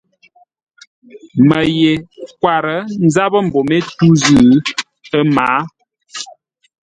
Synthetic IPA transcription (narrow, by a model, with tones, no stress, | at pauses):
mə˨je˨kwa˨ɾə˨˦n̩˦za˦bə˦m̩˨bo˨me˦tu˦zɨː˦˨˦ | ə˦maː˨˦